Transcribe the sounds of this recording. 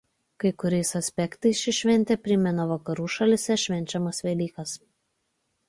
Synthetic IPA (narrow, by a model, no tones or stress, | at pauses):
kɐɪkʊɾʲɛɪsɐsʲpʲɛkt̪ɐɪsʃʲɪʃʲʋʲɛnʲt̪ʲɛpʲɾʲɪmʲɛnoʋɐkɐɾuːʃɐlʲɪsʲɛʃʲʋʲɛnʲt͡ʃʲɛmɐsʋʲɛlʲiːkɐs